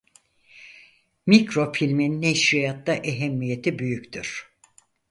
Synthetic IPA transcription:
mikɾo̞filʲminneʃɾijat̪laʔeɦɛmːije̞t̪ʰibyjyct̪ʰyɾ̥

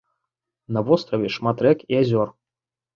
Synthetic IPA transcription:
nɐvɔst̪ɾɐvʲɛʂmat̪ɾɛkiazʲɔr

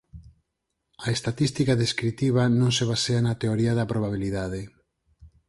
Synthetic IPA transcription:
aest̪at̪ist̪ikaðeskɾit̪iβanõŋseβ̞aseanat̪eoɾiaðɐpɾoβaβ̞iliðaðe

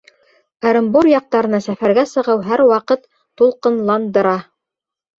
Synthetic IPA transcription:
ɑɾɤ̆mbuɾjɑq̚t̪ɑɾɤ̆nɑsæfæɾɡæsɤ̆ʁɤwɦæɾwɑqɤt̪ː | ulˠqɤ̆nlˠɑnd̪ɤ̆ɾɑ

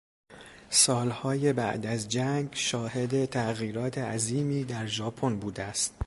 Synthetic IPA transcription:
sɒːlhɒːje̞bæ̰ʔd̪æzd͡ʒæŋɡʃɒːhe̞d̪e̞t̪ʰæɣiːɾɒːt̪ʰe̞æziːmiːd̪æɾʒɒːpʰonbuːd̪eæst̪

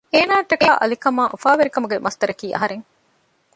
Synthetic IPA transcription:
eːnaːʈɐkaːʔɐ̰likɐmaːʔufaːʋeɾikɐmuɡemʔɐst̪ɐɾɐkiːʔɐ̰ɦɐɾeŋ

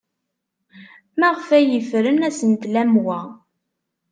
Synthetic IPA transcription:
mæʁfæjəfɾənæsənt̪læmwæ

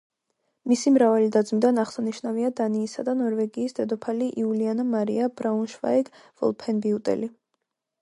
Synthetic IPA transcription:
misimɾavalid̪ad̪zmid̪anaχsaniʃnaviad̪aniːsad̪anɔɾvɛɡiːsd̪ɛd̪ɔpʰaliʔiulianamaɾḭabɾaunʃva̰ɛɡvɔ̰lˠpʰɛnbiut̪ʼɛ̰li

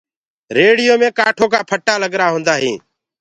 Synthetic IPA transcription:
ɾeːɽɪjoːmẽːkaːʈʰoːkaːpʰəʈːaːləɡɾaːɦõːnd̪aːɦĩː

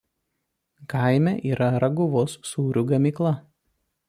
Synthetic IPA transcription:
kaˑɪmʲɛʔiːɾʔɐɾɐɡʊʋoːsːuːɾʲuɡɐmʲiːˑklˠɐ

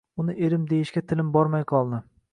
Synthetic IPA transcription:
ʊnɪʔeɾɪmd̪e̞jɪʃkʲat̪ʰɪlɪmbɒɾmajqʰɒlˠnɪ

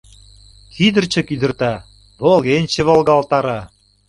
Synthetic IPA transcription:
kʰid̪ə̆rt͡ɕə̆kid̪ə̆rt̪ɑ | βolɣenʲt͡ɕĕβolˠɣɑlt̪ɑɾɑ

